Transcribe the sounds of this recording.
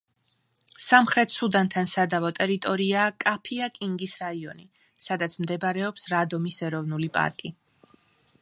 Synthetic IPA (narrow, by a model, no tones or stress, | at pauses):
samχɾɛt̪ʰsud̪ant̪ʰansad̪avɔt̪ʼɛɾit̪ʼɔɾiaːkʼapʰiakʼiŋɡisɾaiɔni | sad̪at̪sʰmd̪ɛbɾɛɔpsɾad̪ɔmisɛɾɔvnulipʼa̰ɾkʼi